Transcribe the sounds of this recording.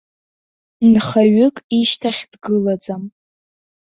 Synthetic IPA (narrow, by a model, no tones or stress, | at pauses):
nχaɥʏkʼiʃtʰaχʲd̥ɡɨlad͡zʼam